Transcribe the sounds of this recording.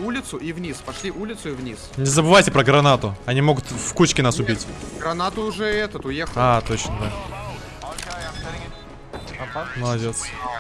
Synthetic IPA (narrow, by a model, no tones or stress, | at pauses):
ulʲɪt̪sʊʔivnʲispɐʂlʲiʔulʲɪt̪sʊɪvnʲisnʲɪzəbɨvajtʲɪpɾəɡɾɐnat̪ʊɐnʲimo̞ɡʊt̪fkut͡ɕkʲɪnasʊbʲitʲɡɾɐnat̪ʊːʐɛɛt̪ət̪ʊjexat̪o̞t͡ɕnəd̪a | ɐpməlˠɐdʲet̪s